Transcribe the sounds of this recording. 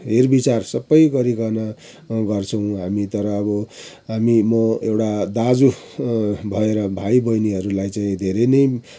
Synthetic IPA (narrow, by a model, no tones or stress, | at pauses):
ɦerbit͡sarsʌbːʌjɡʌɾikʌnʌ | ɡʌrt͡sʰʌw̃ɦamit̪ʌɾʌːbʌ | ɦamimʌewʈad̪ad͡zu | bʱʌeɾʌbʱajbʌjniɦʌɾulajt͡saĩd̪ʱeɾejnʌj